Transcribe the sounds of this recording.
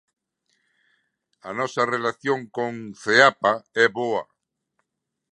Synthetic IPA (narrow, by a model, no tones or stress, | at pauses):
anɔsarelaθjoŋkoŋθeapaɛβoa̰